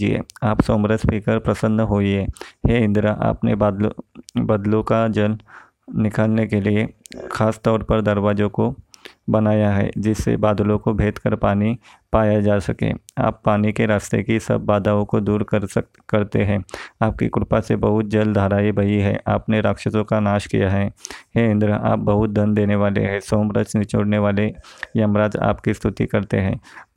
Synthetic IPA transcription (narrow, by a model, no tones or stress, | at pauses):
d͡ʒḭḛːaːpsɔ̃ːmɾəspiːkəɾpɾɐsə̃nd̪ʱɦoːiɦɛːheɪ̃nd̪ɾaʔa̰ːpnebad̪bɐd̪lõkad͡ʒɐl | nɪkaːlnekeliexʰaːst̪ɔːɾpɐɾd̪ɐɾʋaːd͡ʒõko | bɐnaːjaɦɛ̰ːd͡ʒɪsːḛbaːd̪lõkobʱeːt̪kəɾpaːni | paːjad͡ʒaːsɐkḛ̃ːa̰ːpːaːnikeɾaːst̪ḛkisɐ̰bːaːd̪aõkod̪uːɾk | kɐɾt̪eɦɛ̃ːaːp̚kḭkʊɾpasebɐɦʊt̪̚d͡ʒɐld̪ʱaːɾaːibʱɐiɦɛ̰ːʔa̰ːpneɾaːkʃət̪õkanaːʃkḭjaɦɛɦeɪ̃nd̪ɾəa̰ːp̚bɐɦʊt̪̚d̪ɐ̃nd̪eːneʋaːlḛɦɛ̃soːmɾət͡ʃnɪt͡ʃoːɽneʋaːlejɐmɾaːd͡ʒa̰ːpkist̪ʰʊt̪ḭkɐɾt̪ḛɦɛ̃ː